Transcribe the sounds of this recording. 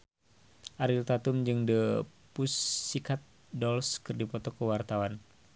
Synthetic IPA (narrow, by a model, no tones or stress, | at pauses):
ʔaɾilt̪at̪umd͡ʒɨŋdəpusːikat̪̚ | dɔlskɨrdipɔt̪ɔkəwart̪awan